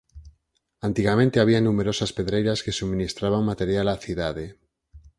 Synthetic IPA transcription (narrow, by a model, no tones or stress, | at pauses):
ant̪iɣamẽnt̪eaβ̞ianũme̞ɾo̞saspeðɾejɾaske̞sumĩnist̪ɾaβaŋmat̪e̞ɾjalaθiðaðe